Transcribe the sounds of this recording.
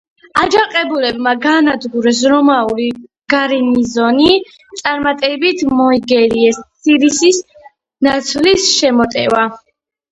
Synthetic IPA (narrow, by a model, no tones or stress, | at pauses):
ad͡ʒaqʼɛbulɛbmaɡaːnad̪ɡuɾɛs̬ɾɔmauli | ɡ̥aɾinizɔni | t̪sʼaɾmat̪ʼɛbit̪ʰmɔiɡɛliɛssiɾisis | nat̪sʰvlisʃɛmɔt̪ʼɛ̰va